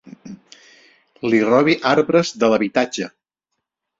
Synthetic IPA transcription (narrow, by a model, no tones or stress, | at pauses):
lirɔβiʔaɾβɾəzðələβit̪ad͡ʒə